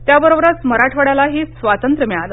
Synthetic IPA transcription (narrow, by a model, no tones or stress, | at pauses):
t̪jabəɾobɾasməɾaʈʰʋəɽjalaɦiːsʋat̪ənt̪ɾəmɛɭalə